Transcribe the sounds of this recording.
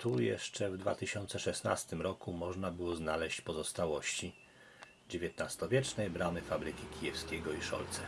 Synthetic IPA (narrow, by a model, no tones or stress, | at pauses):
t̪ujɛ̰ʂt͡ʂɛvd̪va̰t̪ɘɕɔnt̪sɛʂɛsna̰st̪ɘmɾɔkumɔʐnabɘwɔznalɛɕt͡ɕpɔzɔst̪awɔɕt͡ɕi | d͡ʑevʲjɛt̪nast̪ɔvʲjɛt͡ʂnɛjbɾamɘfabɾɘkʲikʲijɛfskʲɛɡɔiʂɔ̰lt̪sɛ